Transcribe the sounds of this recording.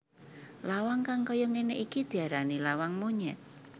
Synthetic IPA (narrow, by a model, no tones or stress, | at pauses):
lawaŋkaŋkɔjɔŋeneʔikid̪̥i̤aɾanilawaŋmoɲɛ̰t̪̚